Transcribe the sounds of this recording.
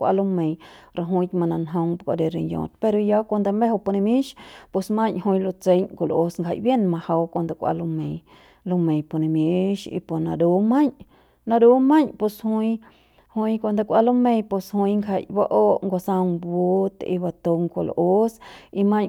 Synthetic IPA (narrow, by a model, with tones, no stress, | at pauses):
kʷa̰˧lu˧mẽ˨jɾa˧ɦũ˧t̪ʲmã˧nã˧nɦõ˧ŋpkʷa̰˧d̪e˧ɾi˧njõ̰˨t̪̚pe˧ɾo˧ja˧kʷa˧nd̪a˧mbe˦ɦo˧pu˧nẽ˧mĩ˦ʃpo˧smã˦ɲʔhũ˧jlo˧t͡se˧ɲkʷo˧˨lʔo˧sŋkʰa̰˧˨jbje˦nmã˧ha˧wkʷa˧nd̪a˧kʷa̰˧lu˧mẽ˧j | lo˧mẽ˨jpo˧˨nẽ˧mje˧ʃḭ˧po˧˨nã˧d̪u˧˦mã˦ɲ | nã˧d̪u˧˦mã˦ɲpu˧shu˧j | hu˧jkʷa˧nd̪a˧kʷa˧lo˦mẽ˧jpu˧shu˧jŋkʰa˧˨jba˦ʔo˦ʔŋɡo˧sa˧ŋbu˦t̪ḭ˧ba˧t̪o˧ŋkʷo˧˨l̰ʔo˦si˧mã˦ɲ